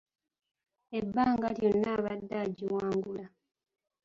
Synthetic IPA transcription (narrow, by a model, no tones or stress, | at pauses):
ebːaːŋɡaljonːaːβadːaɟiwaːŋɡula